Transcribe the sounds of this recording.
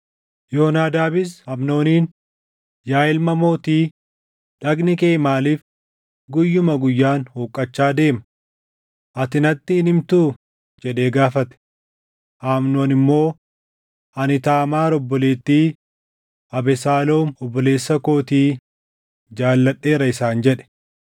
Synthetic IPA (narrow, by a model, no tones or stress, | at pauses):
joːnaːd̪aːbɪshɐmno̞ːniːn | jaːɪlmɐmo̞ːt̪iː | ᶑɐɡnɪkeːmaːliːf | ɡʊjːʊmɐɡʊjːaːnhoːkʼːɐt͡ʃːaːd̪e̞ːmɐ | ʔɐt̪ɪnɐt̪ːɪɪnɪmt̪uː | d͡ʒɛᶑe̞ːɡaːfɐt̪ɛ̥ | ʔaːmno̞ːnɪmːo̞ː | ɐnɪt̪aːmaːɾɔbːɔleːt̪ːiː | ɐbɛsaːlo̞ːmɔbːɔle̞ːsːɐko̞ːt̪iː | d͡ʒaːlːɐᶑːe̞ːɾɐɪsaːnd͡ʒɛᶑɛ̥